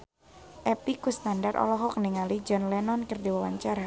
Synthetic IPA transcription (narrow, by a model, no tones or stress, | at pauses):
ʔɛpikust̪andarʔɔ̰lɔɦɔkəniŋalid͡ʒɔnlɛnɔnkərdiwawaɲt͡ʃaɾa